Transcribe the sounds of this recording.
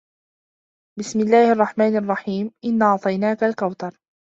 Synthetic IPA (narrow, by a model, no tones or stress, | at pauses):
bɪsmɪlːaːhʔɑrˤːɑħmaːnɑrˤːɑħiːmʔɪnːɑʕt̪ˤɑjnaːkalkawt̪ɑɾˤ